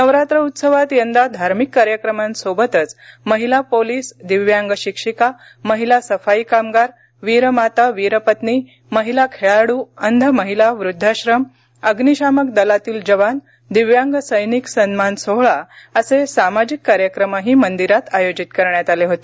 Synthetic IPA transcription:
nəʋɾat̪ɾəut̪səʋat̪jənd̪ad̪ʱaɾmikːaɾjəkɾəmãnsobət̪ət͡sməɦilapoliːsd̪iʋjaŋɡɕikʂika | məɦilasəfaikamɡaɾ | ʋiɾəmat̪aʋiɾəpət̪ni | məɦilakʰeɭaɽuənd̪ʱəməɦilaʋɾud̪ʱːaɕɾəm | əɡniɕaməkd̪əlat̪iːld͡ʑəʋan | d̪iʋjãŋɡəsəjniksənmansoɦɭaəsesamad͡ʑikːaɾjəkɾəmaɦiːmənd̪iɾat̪ajod͡ʑit̪kəɾɳjat̪aleɦot̪e

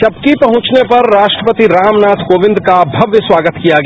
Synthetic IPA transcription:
ʃɐbkipɐɦʊ̃t͡ʃnepɐɾːaːʃʈɾəpət̪iɾaːmnaːt̪koːʋɪ̃nd̪kabʱɐʋjəswaːɡət̪kijaɡɐ

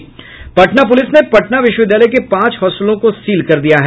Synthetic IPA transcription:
pɐʈnap̬ʊlɪsnepɐʈnaʋɪʃwəʋɪd̪jaːləjk̬epãːt͡ʃɦɔːslõkosiːlkɐɾd̪ijaɦɛː

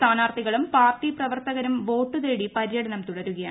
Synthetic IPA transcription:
st̪ʰaːnaːrt̪ʰiɣɐɭumpaːrʈiprɐʋɐrt̪ɐɣɐɾumʋo̞ːʈːuðe̞ːɽipɐɾijɐɽɐnɐmt̪uɽɐɾuɣɐja

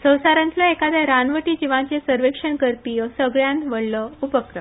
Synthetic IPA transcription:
sə̃w̃saɾãnt̪laekad̪aɾanʋəʈiːd͡ʑiʋãt͡ɕesəɾʋekʂənkəɾpijəsəɡɭjãnt̪ʋəɽləupəkɾə

